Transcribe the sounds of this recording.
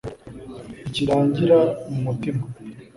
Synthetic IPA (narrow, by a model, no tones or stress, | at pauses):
iciɾaːɲɟiɾamumutima